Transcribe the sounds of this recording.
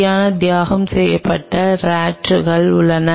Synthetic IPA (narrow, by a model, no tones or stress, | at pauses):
jaːnɐd̪jaːɣɐmsɛjːɐpːɐʈːɐɾaːʈɯɣɐɭʊɭːɐnɐ